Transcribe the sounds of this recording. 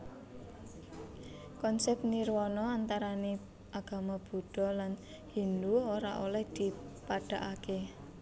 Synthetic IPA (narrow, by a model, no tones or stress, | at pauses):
kɔnsɛp̚nirwɔnɔant̪aɾane | ʔaɡ̥a̤mab̥ṳɖ̥ɔ̤lan | hind̪uoɾa̰ʔolɛhd̪̥i̤paɖ̥a̤ʔake